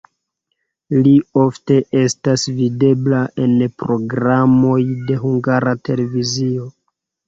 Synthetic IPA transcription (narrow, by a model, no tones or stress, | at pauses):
lio̞fte̞ʔe̞stasvide̞blaʔe̞npɾo̞ɡɾamo̞jde̞ɦuŋɡaɾate̞le̞vizio̞